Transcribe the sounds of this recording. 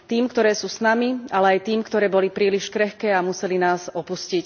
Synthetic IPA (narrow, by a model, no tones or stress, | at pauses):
t̪iːmkt̪ɔɾɛːsuːsnamialɛajt̪iːmkt̪ɔɾɛːbɔlipɾiːliʃkɾɛxkɛːamusɛlinaːzɔpuscic